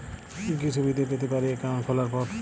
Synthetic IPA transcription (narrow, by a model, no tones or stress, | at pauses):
kit͡ɕʰubid̪ed̪et̪epaɾiekankʰɔlaɾpɔɾ